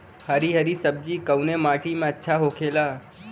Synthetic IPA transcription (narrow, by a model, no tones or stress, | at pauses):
həɾiɦəɾisəb̚d͡ʒikəʊnemaːʈimẽətːʃʰaɦokʰela